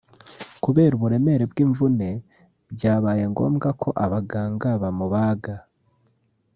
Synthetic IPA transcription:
kuβe̞ːɾuβuɾe̞me̞ɾebɡiːɱvune̞ | bɟaːβaːje̞ŋɡo̞̰ːmɡakʰo̞ʔaβaɡaːŋɡaβamuβaːɡa

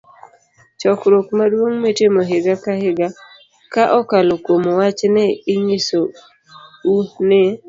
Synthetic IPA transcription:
t͡ʃɔkɾokmadwoŋmetemɔɦɪɡakahɪɡa | kaʔɔkalokwomowat͡ʃnɛɪɲiso | unɪ

